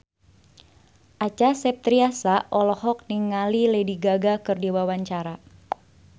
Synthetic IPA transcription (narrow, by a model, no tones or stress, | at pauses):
ʔat͡ʃasɛp̚t̪ɾiasaʔɔlɔhɔk̚niŋalilɛdiɡaɡakɨrdiwawaɲt͡ʃaɾa